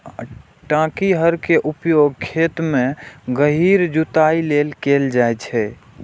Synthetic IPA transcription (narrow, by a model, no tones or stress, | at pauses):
ʈãkiɦəɾkeʔupjoɡ̚kʰet̪mẽɡəɦiɾd͡ʒut̪ailelkeld͡ʒajt͡ʃʰɛ